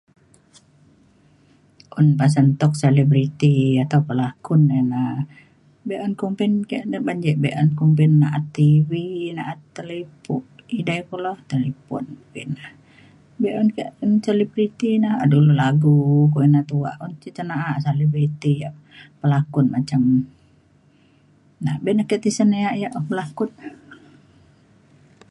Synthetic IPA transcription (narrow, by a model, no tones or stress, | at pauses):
ʔunpas̬ənt̪ɔk̚selibɾit̪iat̪aupəlakʊnɛna | bɛʔɔnkumpinkeʔnabaɲd͡ʒɛʔbɛʔɔnkumpɛnːaʔat̪ːivinaʔat̪ːəlipuʔidaikulɔht̪əlipɔ̰nkinah | bɛʔɔnkeʔnsalibɾit̪inaha̰dululaɡukuʔinat̪ua̰ʔunt͡ʃit͡ʃənaʔaʔsalibɾit̪ijaʔ | pəlakʊn̚mat͡ʃam | nabɛʔnahkɛʔt̪isəneaʔjaʔpəlakʊt̪